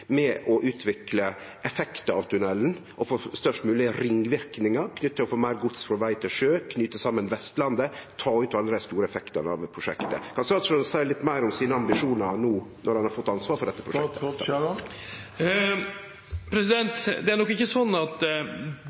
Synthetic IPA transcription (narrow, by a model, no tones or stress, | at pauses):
mɛʔɔʔʉːt̪ʰʋɪklə | ʔɛfɛkt̪əɑ̰ʋt̪ʰʉnɛln | ʔɔfoːst̪œʂʈmʉːlɪəɾɪŋʋɪɾknɪŋəɾkʰnʏt̪ːəɔfoːmæɪɾɡʊt̪sfɾɔʋæɪt̪ʰɪlʂøːkʰnyːt̪əsɑmːənʋɛst̪lɑnd̪ət̪ʰɑːʉːt̪ɑlːəɾɛst̪uːɾəɛfɛkt̪ənɑ̰ʋpʰɾʊʂɛ̰kt̪ə̰kʰɑnsɾɑsʉnsæɪlɪt̪ːmæɪɾɔmsiːnəɑmbɪʂuːnəɾnuːnʔɔɾhɑnhɑɾfɔt̪ːɑnsʋɑːɾfɔɖɛt̪ːəpʰɾʊɛkə̰ | pʰɾɛsɪd̪ɛnt̪d̪ɛænɔkːɪçəsɔnːɑt̪